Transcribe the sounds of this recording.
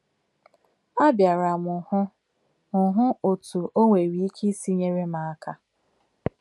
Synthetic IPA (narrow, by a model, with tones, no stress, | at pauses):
a˦bja˨ɾa˨mʊ˨hʊ˦ | ʊ˨ɦʊ˦o˨tu˨o˦ŋʷe˨ɾi˨˦i˦ki˦si˦ɲe˦ɾe˦ma˨a˦ka˦